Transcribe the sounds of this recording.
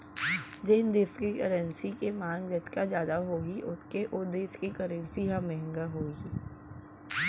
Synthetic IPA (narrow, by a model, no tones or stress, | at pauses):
d͡ʒɪnd̪eskikəɾənsikemãːŋɡd͡ʒɐt̪kazjaːd̪aɦoːɡiʔʊt̪ʰkeʔʊd̪eːʃkekəɾə̃nsiɦãmɛɦɪ̃ŋɡaɦoːɡi